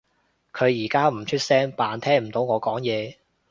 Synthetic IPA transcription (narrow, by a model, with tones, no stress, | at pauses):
kʰɵ˨˧ɥjiː˨˩kaː˥m̩˨˩t͡ʃʰɵ˥t̚sɛː˥ŋpaː˨˧nt̪ʰɛː˥ŋm̩˨˩t̪o˨˧wŋɔː˨˧kɔː˨˥ŋjɛː˨˧